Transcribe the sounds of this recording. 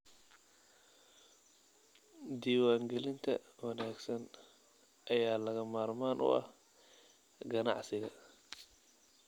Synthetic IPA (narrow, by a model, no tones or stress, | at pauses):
d̪iːwaːŋɡɛlɪnt̪ʰɐ̰wɐnaːɡsɐn | ʔɐjaːlɐɣɐmaːrmaːnʔʊ̰ʔɐ̰h | ɡɐnɑ̰ʕsɪɣɐ